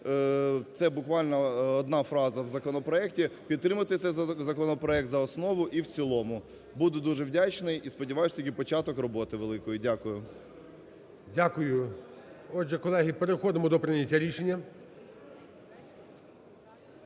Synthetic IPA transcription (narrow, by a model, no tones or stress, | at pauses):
t̪sɛbʊkʋɑlʲnɐɔd̪nɑfɾɑzɐwzɐkɔnɔpɾɔɛk̚tʲipʲid̪̚t̪ɾɪmɐt̪ɪt̪ʲɛzɐkɔnɔpɾɔɛk̚t̪zɐɔsnɔʋʊʔiwt͡sʲilˠɔmʊ | bud̪ʊd̪uʒɛwdʲat͡ʃnɪjispɔdʲiʋɑjʊʃt̪ikʲipɔt͡ʃɑt̪ɔkrɔbɔt̪ɪʋelˠɪkɔjʊdʲakʊjʊ | dʲakʊjʊ | ɔd͡ʒɛkɔlˠɛɦipeɾexɔd̪ɪmɔd̪ɔpɾɪnʲɐtʲːaɾʲiʃenʲːɐ